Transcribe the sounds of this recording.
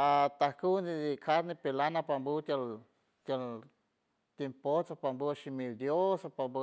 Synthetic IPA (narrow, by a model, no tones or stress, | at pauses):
at̪ahkund̪id̪ikʰaɾnipelanapambut̪jal | t̪jal | t̪impot͡sapambuaʃimild̪josapambə